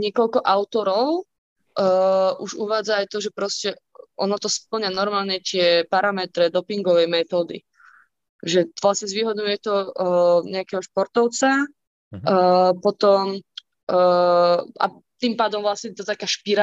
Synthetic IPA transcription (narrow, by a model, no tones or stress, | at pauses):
ɲɪɛkɔlkɔʔaʊt̪ɔɾɔʊ | ʔuʒuʋaːd͡zaːjt̪ɔʒɛpɾɔscɛ | ʔɔnɔt̪ɔsp̚l̩ɲɪanɔɾmaːlɲɛt̪ɪɛpaɾamɛt̪ɾɛd̪ɔpiŋɡɔʋɛjmɛt̪ɔːd̪ḭ | ʒɛʋlasɲɛzʋiːɦɔd̪ɲujɛt̪ɔ | ɲɛakɛɦɔʃpɔɾt̪ɔʊt͡sa | pɔt̪ɔmː | a̰ | t̪impaːd̪ɔmvlasɲɛt̪at̪akaːʃpiɾa